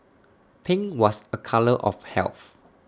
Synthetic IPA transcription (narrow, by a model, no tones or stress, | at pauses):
pʰɪ̃ŋwɔsəkʰaləʔɔ̰fhɛ̰lθ